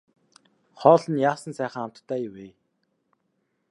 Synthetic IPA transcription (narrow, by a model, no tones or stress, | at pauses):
χɔːɮə̆njaːsə̆nsæːχə̆ŋam̥t̪t̪ʰːæːjʊweː